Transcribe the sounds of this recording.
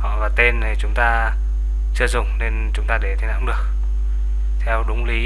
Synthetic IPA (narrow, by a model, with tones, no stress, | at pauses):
ɔ˨˩vaː˨˩t̪e˧n˨˩t͡ɕʊ˨˦ŋ͡mt̪aː˧ | t͡ɕɨ˧əzʊ˨˩ŋ͡mne˧nt͡ɕʊ˨˦ŋ͡mt̪aː˧ɗe˧˩t̪ʰi˨˧˩na̰ː˧˨ŋɗɨ˨˩ək̚ | t̪ʰɛ˧wɗʊ˨˦ŋ͡mli˨˦